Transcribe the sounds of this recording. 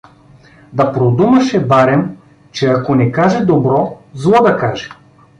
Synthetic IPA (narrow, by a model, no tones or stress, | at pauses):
d̪ɐpɾod̪umɐʃɛbaɾɛm | t͡ʃɛakonɛkaʒɛd̪obɾɔzlˠɔd̪ɐkaʒɛ̥